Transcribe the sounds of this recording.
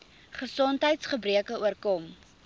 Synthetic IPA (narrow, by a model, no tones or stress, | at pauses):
χəsɔntɦəjtsχəbriəkəuərkɔm